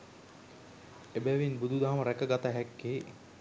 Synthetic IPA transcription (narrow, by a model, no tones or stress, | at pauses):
ebɛʋinbud̪ud̪aɦaməɾækəɡat̪aɦɛkːeː